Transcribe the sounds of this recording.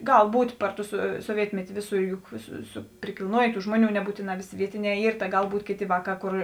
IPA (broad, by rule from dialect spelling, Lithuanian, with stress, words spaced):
ˈɡɐlˠ ˈbuːtʲ ˈpɐr ˌtʊ sʊ soːˈʋʲiɛtʲmʲɛtʲɪ ˈʋʲeːˌsuː ˈjʊk sʊ sʊ pʲrʲɪkʲɪlˠˈnuɔjeː ˈtuː ˈʒmuɔˌnʲuː nʲɛˈbuːtʲeːˌnɑː ˈʋʲeːˌsʲeː ˈʋʲiɛtʲɪˌnʲɛː ˈiːr tɐ ˈɡɐlˠ ˈbuːtʲeː ˈkʲeːˌtʲeː ˈʋɑːˌkɑː ˈkoːr